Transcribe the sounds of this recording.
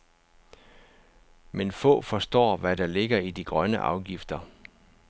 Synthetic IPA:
menfɔ̰̽ːfɒ̽sd̥ɒ̰ːʋæɾ̥ɑ̈le̝ɡ̥ɐid̥iɡ̥ʁɶnəʔɑ̈ʊɡ̥ifd̥ɐ

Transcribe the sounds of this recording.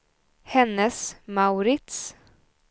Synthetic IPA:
hɛnːəsmaʉɾɪt̪s

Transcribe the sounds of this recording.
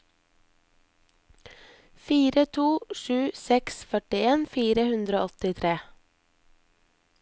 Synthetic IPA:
fiːɾət̪ʰuːʃʉːsɛksfœʈɪeːnfiːɾəhʉnd̪ɾəo̰ːɔt̪ɪt̪ʰɾeː

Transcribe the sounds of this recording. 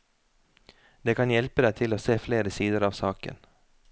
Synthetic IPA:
d̪ɛkʰɑnjɛlpəd̪æt̪ʰɪloːseːfleːɾəsiːd̪əɾɑʋsɑːkə̰n

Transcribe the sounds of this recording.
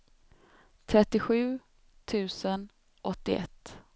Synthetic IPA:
t̪ʰɾɛt̪ːɪɧʉ̟ː | t̪ʰʉ̟ːsən | ʔɔt̪ːɪ̰ɛ̰t̪ː

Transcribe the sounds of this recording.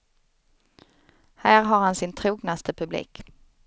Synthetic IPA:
hæːɾɦaɾhansɪnt̪ʰɾuːɡnast̪ʰəpʰɵblḭːk

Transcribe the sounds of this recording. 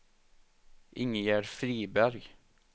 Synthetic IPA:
ʔɪŋəjæːɾfɾiːbæɾɡ

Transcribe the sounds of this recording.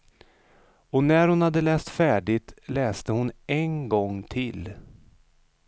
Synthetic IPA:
ɔnæɾhʊnhad̪ːəlɛːst̪fæːɖɪt̪lɛːst̪əhʊnɛnɡɔŋːt̪ʰɪl

